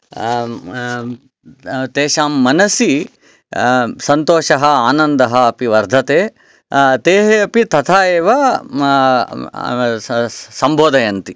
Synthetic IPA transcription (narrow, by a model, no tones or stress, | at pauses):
t̪eːʃaːmːɐnɐsi | sɐnt̪oːʃɐɦɐaːnɐnd̪ɐɦɐːpiʋɐɾd̪ʱɐt̪eː | t̪eːɦeɐpit̪ɐt̪ʰaːjeːʋɐ | sɐmbʱoːd̪ɐjɐnt̪i